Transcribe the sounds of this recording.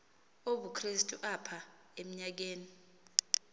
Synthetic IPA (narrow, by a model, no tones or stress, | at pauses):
oɓukʰristʼuʔapʰa | em̩ɲak̬eːni